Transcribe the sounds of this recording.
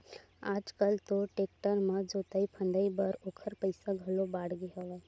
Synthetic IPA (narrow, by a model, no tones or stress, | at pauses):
aːd͡ʒkəlt̪oʈeːk̚ʈəɾmə̃d͡ʒoːt̪aipʰə̃nd̪əibəɾoːkʰəɾpəɪsaɡʱɐlobaːɽɡeɦoʋɛ